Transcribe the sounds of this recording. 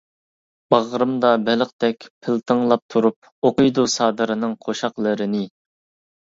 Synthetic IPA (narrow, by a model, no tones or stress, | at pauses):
b̥ɑʁɾɨmd̪ɑbɛləqt̪ɛkʲpʰɪlt̪ʰəŋlˠɑp̚t̪ʰuɾup̚ | oqʊjd̪usɑːd̪ɨɾɨnɨŋqʰoʃɑqlˠɨɾɪnɪ